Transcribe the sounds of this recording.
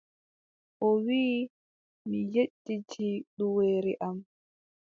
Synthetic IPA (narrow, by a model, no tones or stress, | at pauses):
ʔɔwiː | mijeɗːitʰiɗuweːɾiʔam